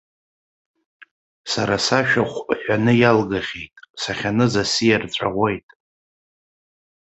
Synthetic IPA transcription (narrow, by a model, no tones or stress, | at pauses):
saɾasaʃᶣaχʷʼħʷᶣanɨjalɡaχʲejtʼsaχʲanɨzasijarʈ͡ʂʷʼa̰ʁʷe̞jtʼ